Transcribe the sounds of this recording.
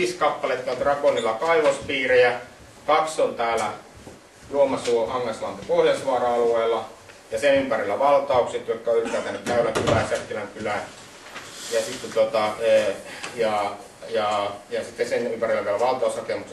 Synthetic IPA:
iːskɑpːɑlet̪kɑˑt̪rɑkonilːˑɑkɑiʋospiːrejæ | kɑksont̪æːlæ | luomɑsuoʔɑŋːɑsmɑnt̪ɑpoljɑsʋɑrɑɑlueːlːˑɑ | jɑsenympærilːæʋɑlt̪ɑukset̪jokːæoylypæːˑt̪ænːyk̪kæylækylæˑsæk̪ːilæŋkylæ | jɑsit̪ːet̪ot̪ɑejɑˑ | jɑˑjɑsit̪ːesenympærilːækæølæʋɑlt̪ɑushɑkemuks

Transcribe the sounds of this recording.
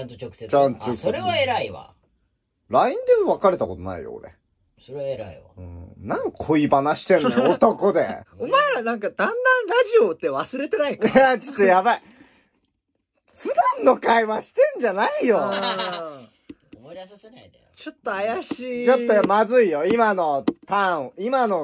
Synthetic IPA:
ãnt̪ookɯ̥et͡ɕãnt̪osoɾeβaeɾaiβa̰ | ɾaĩnd̪e̞moβakaɾe̞t̪ako̞t̪ona̰ḭjo̰o̰ɾḛ | soɾeeɾaiaɯ̟̰̃nãŋkkʰoibanaɕi̥t̪ẽnot̪o̞kod̪eomaeɾanãŋkad̪ãnd̪ãnɾaʑiot̪ːe̞βasɨɾe̞t̪e̞naikaat͡ɕo̥t̪ːojabai | ɸɯ̟d̪ãnːo̞kaiβaɕi̥t̪ẽ̞ɲ̟d͡ʑanaijo | t͡ɕot̪ːoajaɕiːt͡ɕot̪ːomazɨijo̞imano̞t̪ãimano̞

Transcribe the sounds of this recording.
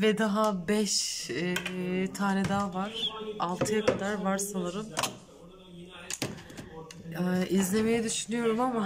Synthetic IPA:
vɛd̪aɦabɛʃ | t̪ʰaːnɛd̪aːvaɾ̥alˠt̪ʰɯjakʰad̪aɾvaɾsanaɾɯm | ɛʔizlʲe̞me̞jɛd̪yʃynyjo̞ɾumama

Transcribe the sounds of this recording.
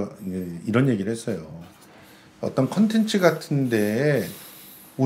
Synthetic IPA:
eiɾʌnje̞ɡiɾɯɭhes͈ʌjo | ʌ̰t͈ʌnkʰʌntʰe̞nt͡ɕʰɯɡatʰɯnde̞ | u

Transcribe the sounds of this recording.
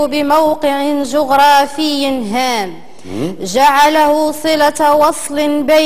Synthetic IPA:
bɪmawqɨʕɪʒʊɣɾˤɑːfɪjːnɦaːm | ʒaʕalahʊsˤɨlawɑsˤlnba

